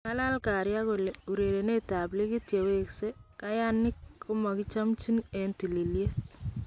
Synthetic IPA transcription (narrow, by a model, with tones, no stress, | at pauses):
ka˦la˦lka˨ɾja˦ko˨leu˨ɾe˨ɾe˨ne˦ta˨bli˦ki˦tje˨we˨kse˦ka˦ja˦nɪ˦kʰːʊ˦ma˨kɪ˦t͡ʃa˦mt͡ʃi˦nɛnti˨li˨lje˦t̚